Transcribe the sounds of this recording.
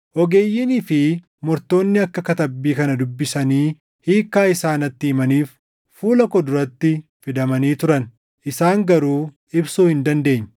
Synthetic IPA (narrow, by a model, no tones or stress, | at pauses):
ʔɔɡe̞ːjːɪniːfɪ | mɔɾt̪o̞ːnːɪɐkːɐkɐt̪ɐbːiːkɐnɐd̪ʊbːɪsɐniː | hiːkːaːɪsaːnɐt̪ːɪːmɐniːf | fuːlɐkɔd̪ʊɾɐt̪ːɪfɪd̪ɐmɐniːt̪ʊɾɐn | ʔɪsaːŋɡɐɾuː | ɪbsuːhɪnd̪ɐnd̪e̞ːɲː